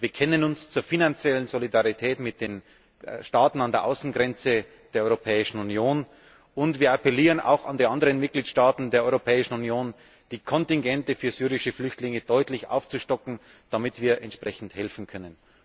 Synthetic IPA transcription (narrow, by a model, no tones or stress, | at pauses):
viːɐkʰɛnənʊnst͡suːɐfinant͡sjɛlənzolidaʁitʰɛːtmɪt̚d̥eːn | ʃtaːtn̩andeːɐʔaʊsn̩ɡʁɛnt͡sə | d̥eːɐɔʏʁopʰɛːɪʃn̩unjoːn | ʔʊntv̥iːɐapɛliːʁənʔa̰ʊxa̰ndiːʔandəʁənmɪt̚ɡ̥liːtʃtaːtn̩deːɐʔɔʏʁopʰɛːɪʃn̩unjoːn | d̥iːkʰɔntɪŋɡɛntəfyːɐzyːʁɪʃəflʏçtlɪŋəd̥ɔʏtlɪçʔa̰ʊft͡suʃtɔkŋ̩ | d̥amɪtv̥iːɐʔɛntʃpʁ̥ɛçn̩thɛlfn̩kʰœnən